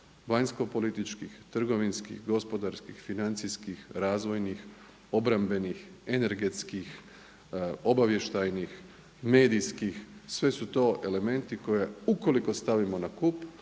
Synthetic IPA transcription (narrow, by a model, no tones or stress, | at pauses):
ʋaɲsko̞po̞lit̪it͡ʃkixt̪r̩ɡo̞ʋinskḭxɡo̞spo̞d̪aɾskixfinant̪siskixɾaːzʋo̞jnix | o̞bɾambe̞nixene̞ɾɡe̞t̪skix | o̞baʋje̞ʃt̪ajnix | me̞ːd̪iskixsʋe̞sut̪o̞ːʔe̞le̞me̞nt̪iko̞jeuko̞liko̞st̪aʋimo̞nakup